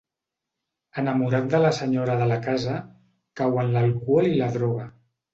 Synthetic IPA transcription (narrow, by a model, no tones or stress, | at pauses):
ənəmuɾat̪̚d̪ələsəɲoɾəðəlakazə | kawənləlkualilaðɾɔɣ̞a